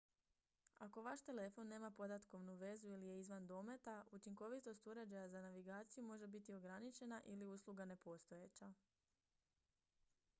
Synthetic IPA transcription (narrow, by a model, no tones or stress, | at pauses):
ako̞ʋaʃt̪e̞le̞fo̞nːe̞ːmapo̞d̪at̪ko̞ʋnuʋe̞zuilije̞izʋand̪o̞ːme̞t̪aʔut͡ʃiŋko̞ʋit̪o̞st̪uɾe̞d͡ʑajazanaʋiɡaːt̪sijumo̞ʒe̞bit̪io̞ɡɾanit͡ʃe̞naʔiliuːslˠuɡane̞po̞ːst̪o̞jet͡ɕa